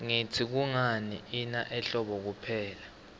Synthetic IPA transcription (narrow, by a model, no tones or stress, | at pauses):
ŋitʰik̬uŋanḭinaʔɛɬɔɓɔk̬upʰɛːla